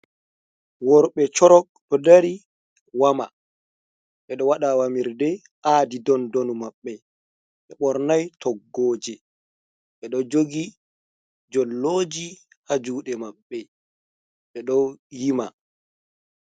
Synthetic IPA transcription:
wɔɾɓɛt͡ʃɔɾɔk̚ɗɔdaɾi | wama | ɓɛɗɔwaɗawamiɾdɛ | ʔaːdidɔndonumaɓːɛ | ɓɛɓɔɾnajtʰɔɡːoːd͡ʒɛ | ɓɛɗɔd͡ʒoɡi | d͡ʒɔlːoːd͡ʒi | had͡ʒuːɗɛmaɓːɛ | ɓɛɗɔwjima̰

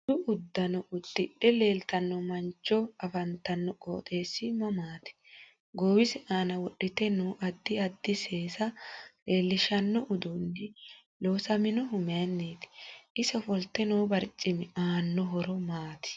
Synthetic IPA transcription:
d̪ʊʔʊd̪ːɐnɔʔʊd̪ːɪɗɛle̞ːlt̪ɐnːɔmɐnt͡ʃːɔɐfɐnt̪ːɐnːɔkʼo̰ːt̪ʼe̞ːsːɪmɐmaːt̪ɪ̥ | ɡowɪsɪʔaːnɐwɔɗːɪt̪ɛnɔʔɐd̪ːɪɐd̪ːɪse̞ːsɐle̞ːlːɪʃɐnːɔʔʊd̪ʊnːɪ | loːsɐmɪnɔɦʊmɪɐnːeːt̪ɪ̥ɪsɔfɔlt̪ːɛnɔwbɐɾt͡ʃʼːɪmɪaːnːɔɦɔɾɔmaːt̪ɪ̥

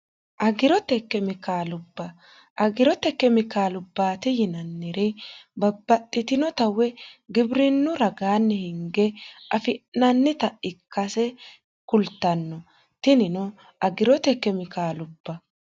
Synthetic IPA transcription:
ʔɐɡɪɾɔt̪ɛkːɛmɪkaːlʊbːɐ | ʔɐɡɪɾɔt̪ɛkːɛmɪkaːlʊbːaːt̪ɪjɪnɐnːɪɾɛbɐbːɐt̪ʼːɪt̪ɪnɔt̪ɐwɛɡɪbɾɪnːʊɾɐɡaːnːɛhɪŋɡɛʔɐfɪʔnɐnːɪt̪ɐʔɪkːɐsɛ | kʊlt̪ːɐnːɔ | t̪ɪnɪnɔ | ɐɡɪɾɔt̪ɛkːɛmɪkaːlʊb̥ːɐ

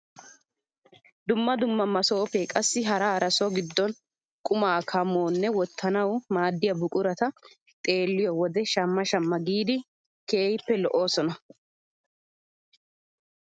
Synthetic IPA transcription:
d̪ʊmːɐd̪ʊmːɐmːɐsoːpekʼɐsːɪɦɐɾɐːɾɐsɔɡɪd̪ːɔn | kʼʊmaːkʰɐmoːnːɛwɔt̪ːɐnɐwmaːd̪ːɪjɐbʊkʼʊɾɐt̪ɐ | t̪ʼe̞ːlːɪjɔwɔd̪ɛʃɐmːɐʃɐmːɐɡiːd̪ɪ | ke̞ːjpːɛlɔʔo̞ːsɔnɐ

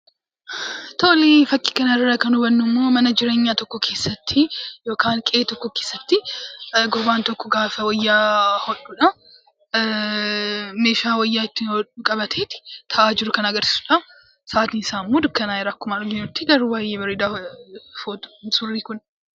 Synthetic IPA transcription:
t̪ʰoʔɔliːfɐkʼːi̥ːkɐnɐɪrːɐkɐnʊbɐnːʊmːo̞ːmɐnɐd͡ʒɪɾe̞ːɲːaːt̪ɔkːɔkʰe̞ːsːɐt̪ʰːɪjo̞ːkaːnkʼɛeːt̪ɔkːɔke̞ːsːɐt̪ːɪɡʊɾbaːnt̪ɔkːɔɡaːfɐwɐjːaːhɔᶑuᶑɐ | me̞ːʃaːwɐjːaːɪt̪ːɪɔᶑʊkʼɐbɐt̪ʰeːt̪ɪ̥t̪ʰɐʔaːd͡ʒɪɾʊkɐnɐɡɐɾsɪ̥sʊᶑɐ | saːt̪iːnɪsaːnmːoːd̪ʊkːɐnaːɪɾaːkːʊmaːᶑɡɪɲːʊt̪ːɪɡɐɾubaːjeːbɐɾɪd̪aːfoːt̪ʊ̥nsʼʊrːiːkʊn

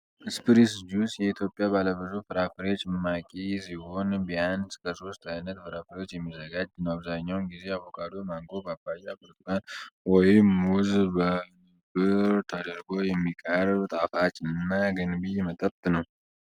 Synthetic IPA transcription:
ʔɨspʰɨɾis̬d͡ʒusjɛit̪ʰjo̞pʼjabaləβəzufɨɾafəɾeot͡ʃːmmakʼisiho̞nbianskʰəso̞st̪ajnət̪fɨɾafəɾeot͡ʃːjɛmːizəɡad͡ʒnəwaβzaɲːawnɡize̞aβo̞kʰad̪o̞ɾmaŋɡo̞bəabajabəɾt̪ʰʼɨkʼanwɔjɪmuzbə | bɨɾt̪ʰəd̪əɾɡo̞jɛmːikʼəɾbt̪ʼafat͡ʃʼɨnːaɡɨnbijɛmət̪ʼəpt̪ʼnəw

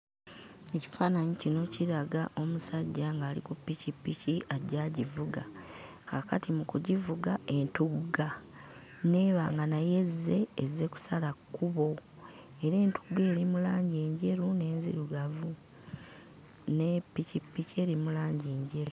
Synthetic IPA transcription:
e̞ci̥faːnaɲicino̞ciɾaɡaʔo̞musaɟːaŋɡaːlḭkupːicipːiciaɟaɟivuɡa̰ | kʰakatʰimukuɟivuɡae̞ntuɡɡa | ne̞ːβaːŋɡanaje̞zːe̞ːze̞ku̥salakːuβo̞ | eɾe̞ːntu̥ɡe̞ːɾimulaːɲɟe̞ːɲɟe̞ɾune̞ːnzḭɾuɡavu | nepːicipːice̞ːɾimulaːɲɟeːɲɟe̞ɾu

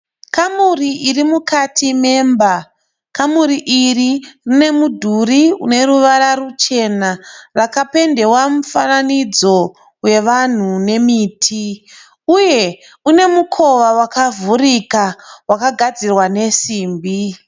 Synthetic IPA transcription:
kamuriʔirimukatʰime̞ːmba | kamuɾiʔiririne̞mudʱuriṵne̞ɾuʋaɾarut͡ʃe̞naʋakape̞nde̞wamufananid͡zo̞ | we̞ʋan̤une̞miːtʰi | uje̞ | une̞mukʰo̞ʋawakavuɾikawakaɡʱad͡zirwane̞siːmbi

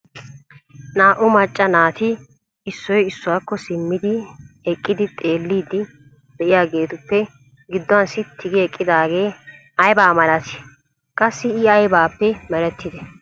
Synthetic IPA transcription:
naːʔʊmɐt͡ʃʼːɐnaːt̪ɪ | ɪsːɔjɪsːʊwaːkːɔsɪmːɪd̪ɪ | ɛkʼːɪd̪ɪt̪ʼe̞ːlːiːd̪ɪ | d̪̥ɛʔɪjaːɡe̞ːt̪ʊpːɛ | ɡɪd̪ːɔwɐnsɪt̪ʰːɪɡɪɛkʼːɪd̪aːɡe̞ː | ɐjbaːmɐlɐt̪ɪ̥ | kʼɐsːɪɪɐjbaːpːɛmɛɾɛt̪ːɪd̪ɛ

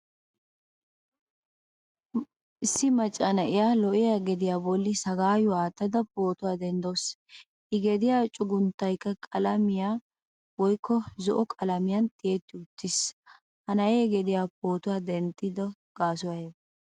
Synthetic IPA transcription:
ʔɪsːɪmɐt͡ʃʼːɐnɐʔɪjaːlɔʔɪjɐɡɛd̪ɪjaːbɔlːɪsɐɡaːjʊwaːt̪ːɐd̪ɐpoːt̪ʊwaːd̪ɛnd̪os | ʔɪɡɛd̪ɪjaːt͡ʃʼʊɡʊnt̪ːɐjkːɐkʼɐlɐmɪjaː | wɔjkʰːɔzɔʔɔkʼɐlɐmɪjɐnt̪ʼɪjeːt̪ːɪʊt̪ːɪs | hɐnɐʔeɡɛd̪ɪjaːp̚o̞ːt̪ʊwaːd̪ɛnt̪ʼːɪd̪ɔ | ɡ̥aːsʊwɐje

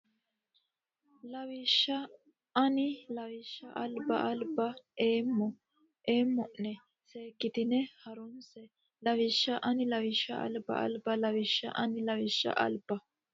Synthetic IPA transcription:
lɐwɪʃːɐ | ɐnɪlɐwɪʃːɐʔɐlbɐʔɐlbɐeːmːɔ | ʔeːmːɔʔnɛ | seːkːɪt̪ɪnɛhɐɾʊnsɛ | lɐwɪʃːɐʔɐnɪlɐwɪʃːɐ̰ʔɐ̰lbɐ̰ʔɐ̰lbɐlɐwɪʃːɐ̰ʔɐnɪlɐwɪʃːɐ̰ʔɐ̰lb̥ɐ

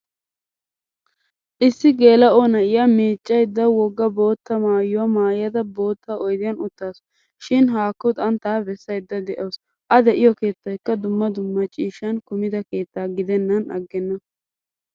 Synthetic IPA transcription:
ʔɪsːɪɡe̞ːlɐoːnɐɪjamiːt͡ʃʼːɐjd̪ːɐwɔɡːɐbo̞ːt̪ːɐmaːjːʊwɐmaːjɐd̪ɐbo̞ːt̪ːaɔjd̪ɪjɐnʊt̪ːaːsɔ | ʃɪnɦaːkːʊd̪ɐnt̪aːbɛsːɐjd̪ːɐd̪ɛʔɐws | ʔɐd̪ɛʔɪjɔke̞ːt̪ːɐjkːɐd̪ʊmːɐd̪ʊmːɐt͡ʃʼiːʃɐnkʊmɪd̪ɐke̞ːt̪ːaːɡɪd̪ɛnːɐnɐ̰ɡːɛnːɐ

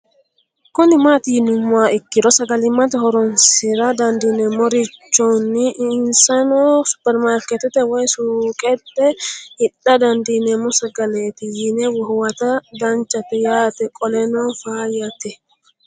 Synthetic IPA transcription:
kʊnɪmat̪ijinumːʊaɪkːiɾɔsɐɡɐlɪmːat̪ɛhɔɾɔnsɪɾad̪ɐnd̪inɛmɔɾit͡ʃːɔnːiʔnsɐnɔsu̥pɛɾmaɾkɛt̪ɛt̪ɛwajsuːkʼɛtːɛhɪɗːad̪ɐnd̪inɛmɔsɐɡɐlet̪ijinɛwɔhwɐt̪ad̪ɐnt͡ʃːɐt̪ɛjaːt̪ɛkʼɔlɛnɔfaːjat̪ɛ

